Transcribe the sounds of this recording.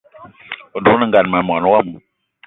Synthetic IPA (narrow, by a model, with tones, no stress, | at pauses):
o˨ntu˦na˧ŋɡa˨˧˨nma˨mɔ˨˦nu˦a˦˨m˨